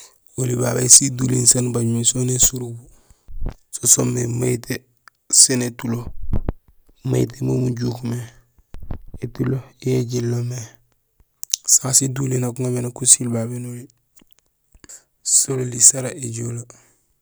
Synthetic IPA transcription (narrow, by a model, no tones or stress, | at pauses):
oliba̰besidulinsanbaɟmesonesuɾubu | sosomemaite | senetulo | ma̰jḭt̬emomuɟukume | etulojeɟilːome | saasidulinakuŋabenakusilbabenoli | sololisaɾaeɟolo